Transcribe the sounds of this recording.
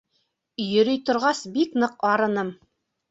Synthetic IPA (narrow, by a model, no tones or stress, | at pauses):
jɵ̆ɾɵjt̪ŏɾʁɑsbiknɤqɑɾɤ̆nɤm